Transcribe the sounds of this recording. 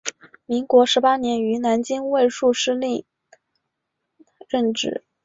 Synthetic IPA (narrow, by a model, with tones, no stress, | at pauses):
mi˧˥ŋkwɔ˧˥ʂɻ̩˧˥pa˥njɛ˧˥ny˧˥na˧˥nt͡ɕi˥ŋwe˥˧ɪʂu˥˧ʂɻ̩˥li˥˩ | ɻə˥˧nʈ͡ʂɻ̩˥˨˩